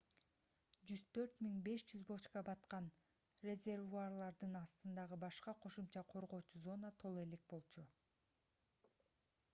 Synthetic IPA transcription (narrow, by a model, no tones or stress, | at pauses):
d͡ʒyz̥t̪ʰø̞ɾt̪miŋbe̞ʃd͡ʒyzbot͡ʃkɑbɑt̪qɑn | rʲe̞zʲe̞rvuarlˠɑɾd̪ɯnɑst̪ɯnd̪ɑʁɯbɑʃqɑqʰo̞ʃumt͡ʃɑqʰo̞ɾʁo̞ːt͡ʃuzo̞nat̪ʰo̞lˠe̞le̞k̚bo̞lˠt͡ʃu